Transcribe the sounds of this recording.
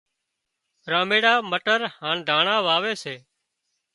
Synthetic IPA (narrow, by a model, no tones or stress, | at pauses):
ɾãːmeːɽaːməʈəɾhãːɳd̪ʱaːɳãːʋaːʋeːseː